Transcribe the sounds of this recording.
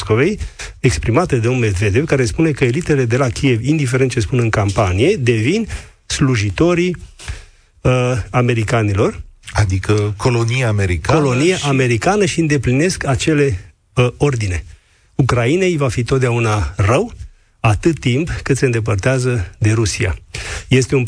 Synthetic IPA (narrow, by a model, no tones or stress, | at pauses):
skovejekspɾimat̪ed̪eomme̞d̪ve̞d̪evkaɾe̞spune̞kəelit̪e̞le̞d̪e̞lakʲije̞vind̪ife̞ɾe̞nt̪̚t͡ʃe̞spunɨŋkampanije̞d̪e̞vin | sluʒit̪o̞ɾi | əame̞ɾikanilo̞rad̪ikəkʰolonijaːmeɾikako̞lo̞nijaʔame̞ɾikanəʃiɨnd̪e̞pline̞skat͡ʃe̞le̞ | o̞rd̪ine̞ | ukɾaine̞jvafit̪ot̪̚d̪eaunarəw | at̪ɨt̪ːimpkɨt̪seɨnd̪ep̬ərt̪eazəd̪e̞ɾusia̰je̞st̪e̞un